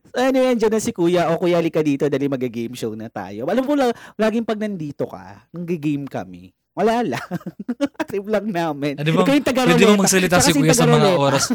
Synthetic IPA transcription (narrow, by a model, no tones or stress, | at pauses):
soʔɐnojɛnd͡ʒɐd̪ɐsɪkuːjɐʔokʊjaːlɪkɐd̪iːt̪od̪aːlɪmɐɡɪɡejmʃownɐt̪a̰ːjoɐlɐmpolalaːɡɪŋpɐɡ̚nɐnd̪iːt̪okɐ̰nɐɡɪɡejmkɐ̰mɛ̰ | wɐlaːlaŋʔɐt̪ɾiblɐŋnaːmɪnɐbɐkːɐjʊŋt̪ɐɡɐɾɛod̪immɐɡsɐlɪt̪akɐksɪuːjɐɡsɐɾɐmɐlŋɛoːɾɐs